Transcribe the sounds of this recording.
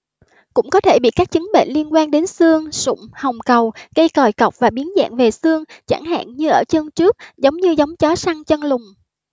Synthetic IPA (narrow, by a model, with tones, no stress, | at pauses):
kʊ̰˧˥ŋ͡mkɔ˨˦t̪ʰe˧˩ɓḭ˧˨kaː˦˥k̚t͡ɕɨ˨˦ŋɓḛ˧˨nli˧ənkwaː˧nɗe˨˦nsɨ˧əŋsʊ̰˧˩˨ŋ͡mhə˨˩wŋ͡mkə˨˩wɣə˧jkɔ˨˩jkə˨˩wk͡p̚vaː˨˩ɓi˨˦ənza̰ː˧˨nve˨˩sɨ˧əŋt͡ɕa̰˧˩ŋɦa̰ː˧˨nɲɨ˧ʔəː˧˩t͡ɕə˧ŋt͡ɕɨ˦˥ək̚zə˨˦wŋ͡mɲɨ˧zə˨˦wŋ͡mt͡ɕɔ˨˦sa˧ŋt͡ɕə˧nlʊ˨˩ŋ͡m